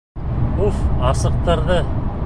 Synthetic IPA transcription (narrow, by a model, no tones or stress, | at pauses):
ufɑsɤ̆q̚t̪ɤ̆ɾðɤ